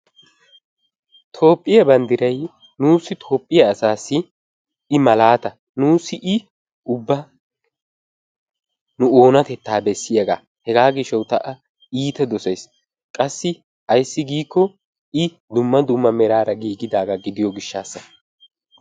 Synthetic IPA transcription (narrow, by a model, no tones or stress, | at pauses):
t̪ʰo̞ːpʼːɪjɐbɐnd̪ɪɾɐj | nuːsɪt̪ʰo̞ːpʼːɪjɐːsaːsːɪ | ɪmɐlaːt̪ɐ | nuːsɪʔɪ | ʊbːɐ | nʊo̞ːnɐt̪ɛt̪ːaːbɛsːɪjɐɡa̰ː | hɛɡaːɡɪʃɐwt̪ɐʔɐ | iːt̪ɛd̪ɔsɛjs | kʼɐsːɪ | ɐjsːɪɡiːkːɔ | ɪ | d̪ʊmːɐd̪ʊmːɐmɛɾaːɾɐɡiːɡɪd̪aːɡaɡɪd̪ɪjɔɡɪʃːaːsːɐ